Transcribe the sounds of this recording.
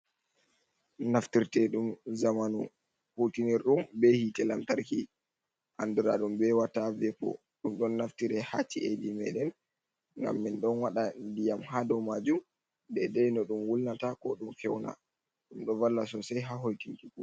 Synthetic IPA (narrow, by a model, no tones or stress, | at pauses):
naftiɾtɛɗumzamanu | hutiniɾɗumbɛhitɛlamtaɾki | ʔa̰nduɾa̰ɗumbɛwatavɛpɔ̰ | ɗumɗɔnːaftiɾɛhat͡ʃːiʔedimɛ̰ɗɛn | ŋɡa̰mːinɗɔnwaɗandijamhadɔmad͡ʒum | dɛdɛjnɔɗumwulnatakɔɗumfɛwna̰ | ɗumɗɔvalːasɔsajɦaɦojtiŋkiku